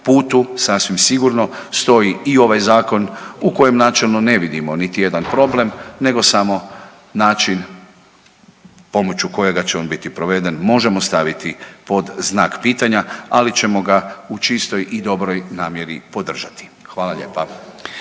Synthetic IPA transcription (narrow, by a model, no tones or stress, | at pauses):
puːt̪usasʋimsiɡuɾno̞st̪o̞jiio̞ʋajzaːko̞nuko̞je̞mnaːt͡ʃe̞lˠno̞ne̞ʋid̪imo̞nit̪ije̞d̪anpɾo̞ble̞mne̞ɡo̞samo̞ | naːt͡ʃin | po̞mo̞t͡ɕuko̞jeɡat͡ɕeo̞ːnbit̪ipɾo̞ʋe̞d̪enmo̞ʒe̞mo̞st̪aʋit̪ipo̞d̪znaːkpiːt̪aɲaalit͡ɕe̞mo̞ɡaut͡ʃist̪o̞jʔid̪o̞bɾo̞jnaːmje̞ɾipo̞d̪r̩ʒat̪i̥xʋaːlˠaʎḛːpa